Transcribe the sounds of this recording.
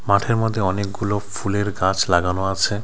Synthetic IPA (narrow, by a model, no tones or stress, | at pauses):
maʈʰeɾmɔd̪ʱːeɔnek̚ɡulofuleɾɡãt͡ɕʰlaɡanoat͡ɕʰe